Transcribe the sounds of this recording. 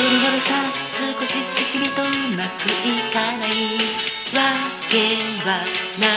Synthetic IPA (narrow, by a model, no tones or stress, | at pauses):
oɾʲiɡoɾesã | sɨːkoɕisekʲiɾʲit̪ojɯmakɯʔikanai | βa | ɡ̥ẽβana